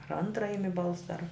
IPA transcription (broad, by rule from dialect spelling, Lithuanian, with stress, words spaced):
ɐr ˈɐntrɐ ˈɪmʲɪ ˈbɐlˠsɐ ɐr